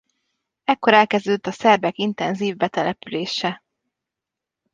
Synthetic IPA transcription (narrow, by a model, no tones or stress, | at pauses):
ɛkːo̞ɾɛlkɛzd̪øt̪ːɒsɛrbɛkint̪ɛnziːvbɛt̪ɛlɛpyleːʃɛ